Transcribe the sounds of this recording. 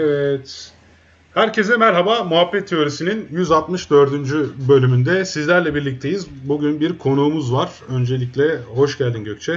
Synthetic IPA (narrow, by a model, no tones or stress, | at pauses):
evɛt̪ | hæɾcʰe̞zɛmæɾɦabamuɦapːɛt̪ʰːejo̞ɾisininjyzalˠt̪mɯʃd̪ø̞ɾd̪ynd͡ʒybø̞lʲymynd̪ɛsizlʲæɾlʲɛbiɾlʲic̚t̪ʰe̞jiz | buɟynbiɾkʰo̞nuːmuzvaɾ̥ø̞nd͡ʒe̞lʲiclʲɛho̞ʃɟælʲd̪inɟøc̚ʲt͡ʃʰɛ